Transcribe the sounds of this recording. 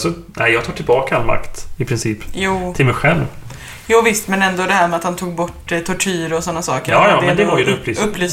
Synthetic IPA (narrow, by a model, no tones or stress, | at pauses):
sɔnæ̰ɪjɑːɡ̚t̪ɑːʈʰɪlbɑːkaalma̰kt̪ɪpʰɾɪnsiːpjuːɪlmɛjɧɛlv | juːvɪst̪mɛnɛnd̪ɔd̪ɛhæːɾmɛat̪hant̪ʰuːɡ̚bɔʈːt̪ʰɔʈʰyːɾɔsɔnːasɑːkəɾɑjɑd̪ɛnnd̪ɛvaɾjəd̪ɵpːlyːɵpːlyːs